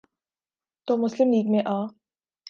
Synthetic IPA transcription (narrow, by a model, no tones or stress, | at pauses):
t̪oːmʊslɪmliːɡmẽʔaː